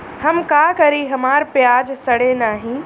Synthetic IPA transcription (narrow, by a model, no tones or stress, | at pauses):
hɐmkaːkɐɾiɦɐmaːɾpjaːd͡ʒsɐɽenaːɦĩː